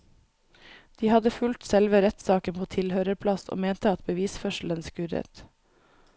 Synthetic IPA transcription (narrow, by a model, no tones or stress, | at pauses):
d̪̥iːhɑd̪əfʉlt̪sɛlʋəɾɛt̪sɑːkənpʰoːt̪ʰɪlhøːɾəpʰlɑso̰ːmeːnt̪əɑt̪bəʋiːsfœʃl̩ənskʉɾə̰t̪